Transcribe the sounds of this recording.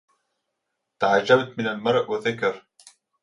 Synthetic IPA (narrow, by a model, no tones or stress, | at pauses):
t̪aʕad͡ʒːabt̪mɪnalmɑɾˤʔwaθakɑɾˤ